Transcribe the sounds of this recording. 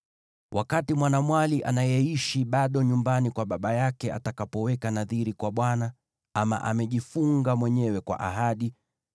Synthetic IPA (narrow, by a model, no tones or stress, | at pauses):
wʔakatimwanamwaliʔa̰najɛiʃiɓaɗɔɲumbanikwaɓaɓajakɛa̰takapɔwɛkanaðiɾikwaɓwana | ama̰ʔamɛʄifuŋɡamwɛɲɛwɛkwa̰ʔa̰ɦaɗi